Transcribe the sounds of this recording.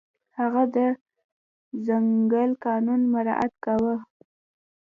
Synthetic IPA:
haɣad̪ə | zaŋɡəlkɑnunmaɾɑ̰ʔa̰t̪kawə

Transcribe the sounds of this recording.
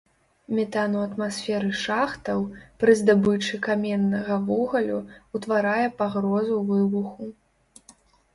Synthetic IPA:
mʲɛt̪anuɐt̪masʲfʲɛɾɨʂaxt̪ɐwpɾɨzd̪abɨt͡ʂɨkamʲɛnːɐɣɐvɔɣɐlʲuut̪vaɾajɛpaɣɾɔzuwvɨbuxu

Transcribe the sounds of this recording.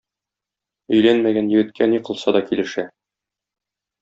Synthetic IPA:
ɵ̆jlænmæɡænjɘ̆ɡɘ̆t̪̚kʰæniqɤ̆lˠsɑd̪ɒkilɘ̆ʃæ

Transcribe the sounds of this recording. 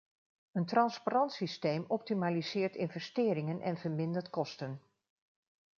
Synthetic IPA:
əntrɑnsparɑntsistejmɔp̚timaːlizɪːɹtɪnvɛstɪːɾɪŋənʔɛ̰nvəɹmɪndətkɔstən

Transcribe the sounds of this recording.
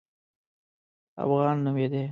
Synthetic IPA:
a̰fɣɑnːumed̪e

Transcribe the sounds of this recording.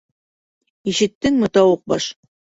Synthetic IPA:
iʃɘ̆t̪ːɘŋmɤ̆t̪ɑwɤq̚bɑʃ

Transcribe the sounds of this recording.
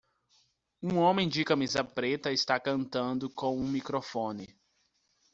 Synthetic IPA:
ũõmẽj̃d͡ʒɪkɐmizɐpɾet̪ɐɪst̪akɐ̃nt̪ɐ̃nd̪ʊkõw̃ũmikɾofõnɪ

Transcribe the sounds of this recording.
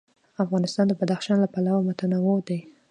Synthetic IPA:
afɣɑnɪst̪ɑnd̪əbad̪axʃɑnlapalawamʊt̪anawod̪aj

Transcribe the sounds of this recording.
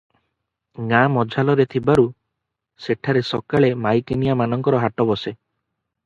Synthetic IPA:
ŋamɔd͡ʒʱalɔɾet̪ʰibaɾu | seʈʰaɾesɔkaɭemajkinijamanɔŋkɔɾɔɦaʈɔbɔse

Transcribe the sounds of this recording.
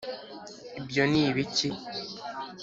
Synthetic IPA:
ibjoniːβici

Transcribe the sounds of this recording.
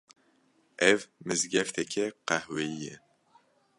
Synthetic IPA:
ɛvmɨzɡɛft̪ʰɛkʰɛqæhweijɛ

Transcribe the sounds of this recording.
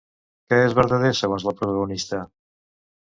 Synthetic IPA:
kɛezβəɾðəðesəɣonzləpɾut̪əɣunist̪ə

